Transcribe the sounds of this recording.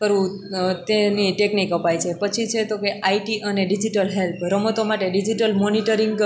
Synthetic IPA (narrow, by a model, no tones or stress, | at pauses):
pəɾũ | t̪eniʈeknikəpajt͡ʃʰepət͡ʃʰit͡ʃʰet̪okeʔaiʈiʔəneɖid͡ʒiʈəlɦelpʰɾəmət̪omaʈeɖid͡ʒiʈəlmoniʈəɾiŋɡ